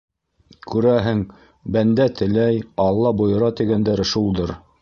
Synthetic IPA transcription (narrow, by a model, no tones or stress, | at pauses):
kʉɾæɦɘŋ | bænd̪æt̪ɘ̆læjɑlˠːɑbŏjɤ̆ɾɑt̪iɡænd̪æɾʃulˠd̪ɤɾ